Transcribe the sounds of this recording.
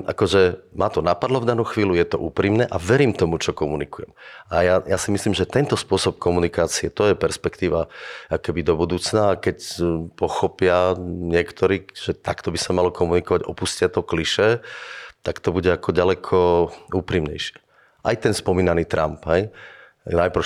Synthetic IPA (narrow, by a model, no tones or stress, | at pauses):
ʔa̰kɔʒɛmaːt̪ɔnapad̪lɔvd̪anuːxʋiːlujɛt̪ɔ̰ʔṵːpɾiːmnɛʔaʋɛɾiːmt̪ɔmut͡ʃɔkɔmunikujɛmajajasimisliːmʒɛt̪ɛnt̪ɔspʊɔsɔp̚kɔmunikaːt͡siɛt̪ɔjɛpɛɾspɛkt̪iːʋaʔɔkɛbid̪ɔbud̪uːt͡snaːkɛcpɔxɔpɪaɲɪɛkt̪ɔɾiːʒ̥ɛt̪akt̪ɔbisamalɔkɔmunikɔʋaɟɔpuscɪat̪ɔkliʃɛ | t̪akt̪ɔbuɟɛakɔɟalɛkʰɔuːpɾimɲɛ̰jʃɪɛ̥ | ʔajt̪ɛnspɔmiːnaniːt̪ɾa̰mpɦɛj | najpɾɔ